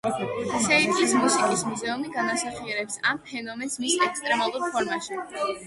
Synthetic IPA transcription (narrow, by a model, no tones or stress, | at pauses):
sɛit̪ʼlismusikʼismuzɛumiɡanasaχiɛɾɛpsampʰɛnɔmɛnsmisɛkst̪ʼɾɛmalˠuɾpʰɔɾmaʃi